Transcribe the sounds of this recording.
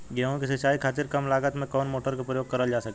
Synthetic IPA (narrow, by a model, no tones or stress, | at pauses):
ɡaɦõkisɐt͡ʃaːikʰaːt̪ɪɾkɐmlaːɡət̪mẽkɔːnmoːʈəɾkepɾəjoːɡ̚kɐɾəld͡ʒaːsɐke